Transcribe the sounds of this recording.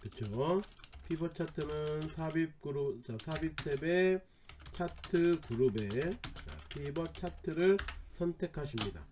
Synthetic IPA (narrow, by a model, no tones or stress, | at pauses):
kɯt͡ɕʰo | pʰibʌt͡ɕʰatʰɯnɯnsʰabip̚k͈uɾut͡ɕasʰabip̚sʰebe̞ | t͡ɕʰatʰɯkuɾube̞a̰pʰibʌt͡ɕʰatʰɯɾɯɭsʰʌntʰe̞kʰaɕʰimɲida̰